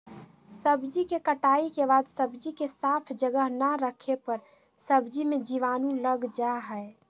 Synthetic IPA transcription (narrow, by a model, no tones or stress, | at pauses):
səbd͡ʒikekəʈaikebad̪səbd͡ʒikesapʰd͡ʒəɡəɦnəɾəkʰepəɾ | səbd͡ʒimed͡ʒiʋanũləɡd͡ʒaɦəe